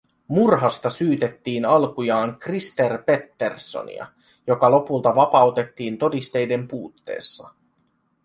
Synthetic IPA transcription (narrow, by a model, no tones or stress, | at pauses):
murɦɑst̪ɑsyːt̪e̞t̪ːiːnɑlkujɑːŋkrist̪e̞rpe̞t̪ːe̞rsːo̰nḭɑ̰ | jo̞kɑlo̞pult̪ɑʋɑpɑwt̪e̞t̪ːiːnt̪o̞dist̪e̞jde̞mpuːt̪ːe̞̰ːsːɑ